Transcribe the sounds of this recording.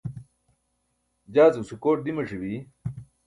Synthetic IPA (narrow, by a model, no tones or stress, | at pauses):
d͡ʑaːzusukoːʈ̚d̪imɐʂiwi